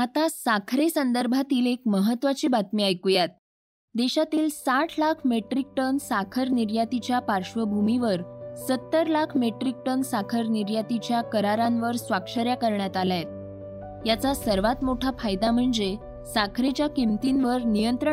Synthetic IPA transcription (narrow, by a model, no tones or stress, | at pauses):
at̪asakʰɾesənd̪əɾbʱat̪iːlekməɦət̪ːʋat͡ɕiːbat̪miajkujat̪̚ | d̪eɕat̪iːlsaʈʰlakʰmeʈɾik̚ʈənsakʰəɾniɾjat̪it͡ɕjapaɾʂʋəbʱumiʋəɾsət̪ːəɾlakʰmeʈɾik̚ʈənsakʰəɾniɾjat̪it͡ɕjakəɾaɾãnʋəɾsʋakʂəɾjakəɾɳjat̪alajet̪̚ | jat͡sasəɾʋat̪moʈʰafajd̪am̤əɳd͡ze | sakʰɾet͡ɕjakimt̪inʋəɾnijənt̪ɾə